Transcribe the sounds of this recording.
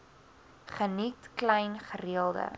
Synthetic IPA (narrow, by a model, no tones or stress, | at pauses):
χənitklɛjnχəriəlˠdə̰